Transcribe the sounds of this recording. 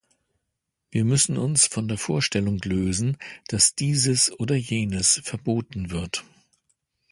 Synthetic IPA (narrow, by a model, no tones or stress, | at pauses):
viːɐmʏsn̩ʊnsfɔndeːɐfoːɐʃtɛlʊŋløːzn̩d̥asd̥iːzəsʔoːdɐjeːnəsfɛɐboːtn̩vɪɐt